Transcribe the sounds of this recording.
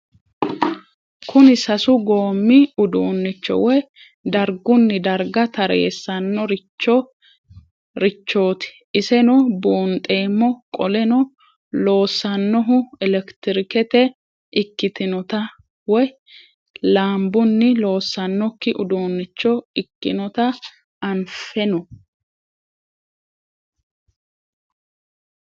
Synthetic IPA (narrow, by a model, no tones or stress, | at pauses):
kʰʊnɪsɐsʊɡo̞ːmːɪʊd̪oːnːɪt͡ʃːɔ̰wɔj | d̪ɐɾɡʊnːɪd̪ɐɾɡɐt̪ɐɾḛːsːɐnːɔɾɪt͡ʃːɔ | ɾɪt͡ʃːo̞ːt̪ɪ̥ʔɪsɛnɔboːnt̪ʼːe̞ːmːɔkʼɔlɛnɔ | lo̞ːsːɐnːɔɦʊɛlɛkt̪ɪɾɪkɛt̪ɛ | ʔɪkːɪt̪ɪnɔt̪ɐ | wɔj | laːmbʊnːɪlo̞ːsːɐnːɔkːɪʔʊd̪oːnːɛt͡ʃːɔɪkːɪnɔt̪ɐ | ɐnfɛnɔ